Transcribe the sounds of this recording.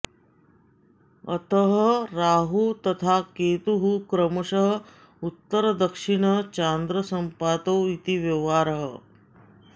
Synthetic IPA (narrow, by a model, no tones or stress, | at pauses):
ə̰t̪əɦəɾaːɦut̪ɐt̪ʰakeːt̪uɦukɾəmɐʂəɦə | ut̪ːəɾəd̪əkʂiɳət͡ɕand̪ɾəsəmpaːt̪owit̪iʋjɐʋaːɾəɦə